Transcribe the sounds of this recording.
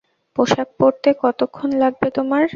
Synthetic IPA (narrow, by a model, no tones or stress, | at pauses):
poʃak̚poɾt̪ekɔt̪okʰːonlaɡ̚bet̪omaɾ